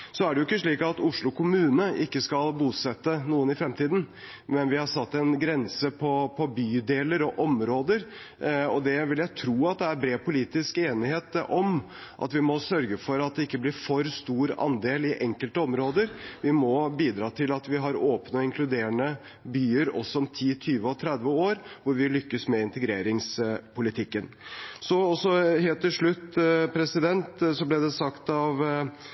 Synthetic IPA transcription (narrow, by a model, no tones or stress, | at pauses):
sɔæɖɛjʊɪkːəʂɭiːkɑt̪ʊʂɭʊkʰʊmʉːnəʔɪkːəskɑlbuːsɛt̪ːənuːənɪfɾɛmt̪ʰiːd̪n̩ | mɛnʋɪhɑʂɑt̪ːɛnɡɾɛnsəpʰɔpʰɔbyːd̪eːləɾɔʔɔmɾoːd̪əɾ | ɔd̪ɛʋɪljæɪt̪ʰɾuːɑt̪̚d̪ɛæɾbɾeːpʰʊliːt̪ɪskeːnɪheːt̪ɔm | ʔɑ̰t̪ʋɪmɔsœɾɡəfɔɾɑt̪̚d̪ɛɪkːəblɪɾfɔɾst̪uːɾɑ̰nd̪eːlɪʔɛŋkəlt̪əɔmɾoːd̪əɾʋɪmɔbiːd̪ɾɑːt̪ʰɪlɑt̪ʋɪɦɑɾoːpnəɔɪŋkʰlʉd̪eːɳə | byːəɾɔ̰sːɔɔmt̪ʰiːt̪ʰyːʋəɔt̪ʰɾɛd̪ʋəoːɾʋʊɾʋɪlʏkːəsmɛɪnt̪əɡɾeːɾɪŋspʰʊlɪt̪ʰɪkːənsɔɔsɔheːlt̪ːɪlʂɭʉt̪ːpʰɾɛsɪd̪ɛnt̪sɔblɛd̪ɛsɑkt̪ɑʋ